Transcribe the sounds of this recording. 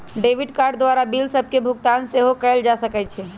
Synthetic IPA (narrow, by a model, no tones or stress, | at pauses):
ɖeʋiɖkaɾɖd̪ʋaɾabilsəb̚ʱkebʱukt̪anseɦokəɪld͡ʒasəkɛt͡ʃʰɛ